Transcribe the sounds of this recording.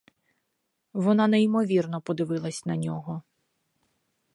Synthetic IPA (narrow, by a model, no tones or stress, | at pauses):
ʋɔnɑneimɔʋʲirnɔpɔd̪ɪʋɪlˠɐsʲnɐnʲɔɦɔ